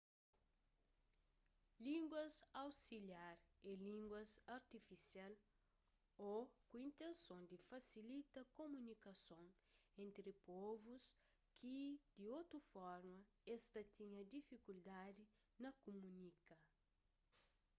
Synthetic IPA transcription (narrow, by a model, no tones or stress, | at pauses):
lĩŋɡwɐsawsiljaɾelĩŋɡwɐsɐɾt̪ifisjal | okuĩnt̪ẽnsõnd̪ifɐsilit̪ɐkomũnikɐsõŋ | ẽnt̪ɾipɔvus | kʰid̪̥iot̪ɾufɔɾmɐɛst̪ɐt̪iɲɐd̪ifikuld̪ad̪i | nɐkumũnikɐ